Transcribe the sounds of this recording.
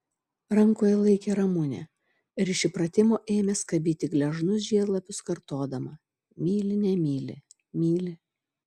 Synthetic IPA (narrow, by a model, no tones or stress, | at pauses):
ɾɐŋkoːjɛlˠɐɪkʲeːɾɐmʊnʲɛ̰ | ɪɾɪʃʲɪpɾɐt̪ʲɪmoːʔeːmʲɛskɐbʲiːt̪ʲɪɡlʲɛʒnʊs̬ʒʲiɛɡlˠɐpʲʊskɐɾt̪oːd̪ɐmɐ | mʲiːlʲɪnʲɛmʲiːlʲɪ̰ | mʲiːlʲɪ